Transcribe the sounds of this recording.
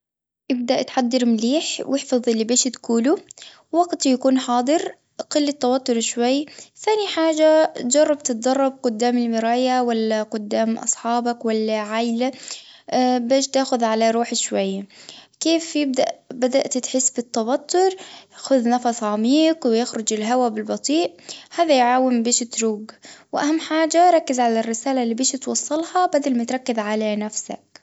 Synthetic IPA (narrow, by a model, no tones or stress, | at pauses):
ʔɪb̚d̪aʔt̪ħad̪ːɑɾmliːħwɪħfɑðˤɪlːibeːʃt̪kuːlu | waɡt̪jakuːnħɑːd̪ˤɨɾ | qɪlːɪt̪ːɑwɑt̪ːʊɾʃwajːθaːniħaːd͡ʒatd͡ʒɑrˤːɑbt̪ɪt̪̚d̪ˤɑrˤːɑb̚qʊd̪ːaːmɪlmɪɾaːjawalːaqʊd̪ːaːmʔɑ̰sˤħɑːbakwalːaʕajla | beːʃt̪aːxʊðʕalaɾˤuːħʃwajːakeːfjɪb̚d̪aʔbad̪aʔt̪t̪ħɪsːbɪt̪ːɑwat̪ːʊɾxʊðnɑfɑsˤʕamiːkwɪjɪxɾʊd͡ʒɪlɦawabɪlbɑt̪ˤiːʔhaːðajʕaːwɪmbeːʃɪt̪ɾuːɡwɪʔahamːħaːd͡ʒaɾˤɑkːɪzʕalarːɪsaːlalːiːbeːʃɪt̪wɑsˤːɑlhɑbad̪almat̪ɾˤɑkːɪzʕalanafsa̰k